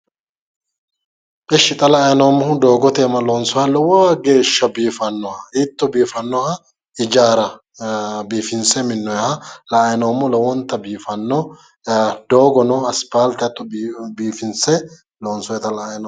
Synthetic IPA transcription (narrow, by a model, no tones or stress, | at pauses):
ʔʼɪʃːɪt̪ʼɐlɐːjnɐwmːʊɦʊd̪o̞ːɡɔt̪eːmɐloːnsɔhɐlɔwɔɐɡe̞ːʃːɐbiːfɐnːɔɐɪt̪ːɔbiːfɐnːɔhɐ | ɪd͡ʒaːɾɐ | biːfɪnsɛmɪnːɔjhɐlɐːjnɐwmːɔlɐwɔnt̪ːɐbiːfɐnːɔ | d̪oːɡɔnɔɐspaːlt̪ɐt̪ːɔbiːfɪnsɛ | loːnsɔjɛt̪ɐlɐɐjnɐ